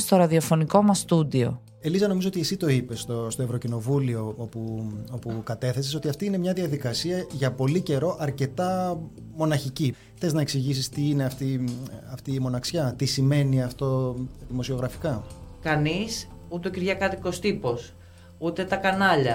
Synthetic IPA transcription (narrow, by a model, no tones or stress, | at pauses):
st̪o̞ɾɐðio̞fo̞niko̞mɐst̪ud̪io̞̰ | e̞lizɐno̞mizoo̞t̪iesit̪o̞ipe̞st̪o̞st̪oe̞vɾo̞cino̞vulio̞opuo̞pukɐt̪e̞θe̞seso̞t̪iɐft̪iine̞mɲɐðiɐðikɐsiɐʝɐpo̞lice̞ɾo̞ʔɐɾce̞t̪ɐ | mo̞nɐçici | xθe̞znɐe̞ksiʝisist̪iine̞ɐft̪iɐft̪iːmo̞nɐksçɐt̪isime̞niɐft̪o̞ðimo̞sio̞ɣɾɐfi̥kɐkɐnisut̪eociɾʝɐkɐt̪iko̞st̪ipo̞s | ut̪e̞t̪ɐkɐnɐʎɐ